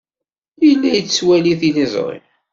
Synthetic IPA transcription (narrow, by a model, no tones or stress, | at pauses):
ijlːæjət͡sːwæliθiləzˤɾˤɪ̰